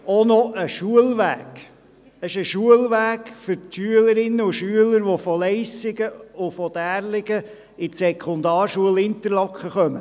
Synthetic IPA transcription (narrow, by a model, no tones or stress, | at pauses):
onɔʔəʃuəlʋæːɡ̥ | əʃəʃuəlʋæːɡ̥fʏɾtʃyələɾɪnːəʊʃyələɾʋɔfɔlɛɪsɪɡəʊfɔd̪æːɾlɪɡə | ɪsɛkχɔnd̪ɑːɾʃuəlɪnt̪əɾlɑkχəχœmə